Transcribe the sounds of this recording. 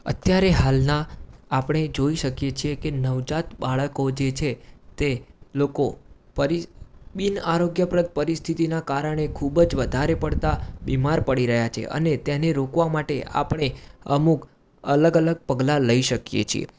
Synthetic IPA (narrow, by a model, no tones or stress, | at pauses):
ə̰t̪jaɾeɦalnaapɽ̃ed͡ʒoiʃəkjet͡ʃʰiekenəʋd͡ʒat̪baɭəkod͡ʒet͡ʃʰet̪eloko | pəɾiɓinaɾoɡjəpɾət̪̚pəɾist̪ʰit̪inakaɾəɳ̃ekʰubəd͡ʒʋəd̪ʱaɾepəɽt̪abimaɾpəɽiɾəɦjat͡ʃʰḛʔə̰net̪jɛneɾokʋamaʈḛa̰pəɳ̃eəmuk | ələɡələɡ̚pəɡlaləiʃəkjḛt͡ʃʰḭḛ